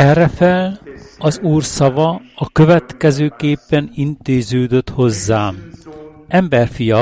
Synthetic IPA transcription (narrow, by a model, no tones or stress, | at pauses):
ɛrːɛfɛlɒzuːrsɒvɒɒkøvɛt̪kɛzøːkeːpːɛnint̪eːzøːd̪ø̞t̪ho̞zːaːm | ɛmbɛrfijɒ